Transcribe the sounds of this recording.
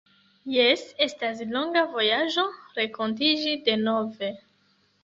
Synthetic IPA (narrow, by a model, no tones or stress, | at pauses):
jese̞stas̬lo̞ŋɡavo̞jaʒo̞ɾekont̬id͡ʒide̞no̞ve̞